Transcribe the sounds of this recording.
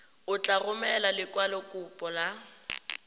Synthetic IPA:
ʊt͡ɬʼarʊmɛlalɪkʼwalɔkʼʊpʼɔla

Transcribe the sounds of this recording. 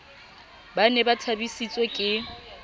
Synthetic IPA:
banɛbatʰabisit͡sʼwekʼɪ

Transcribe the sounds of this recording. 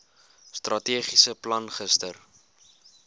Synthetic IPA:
strʔɐtiːχisəplɐnχəstər

